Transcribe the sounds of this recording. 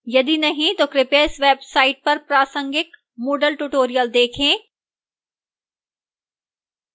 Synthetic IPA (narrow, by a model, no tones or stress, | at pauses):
jɐd̪inɐɦĩt̪okɾɪpeːsʋeːbsaːɪʈ̚pɐɾpɾaːsə̃ŋɡɪk | moːɖəlʈuːʈoːɾijəld̪eːkʰẽː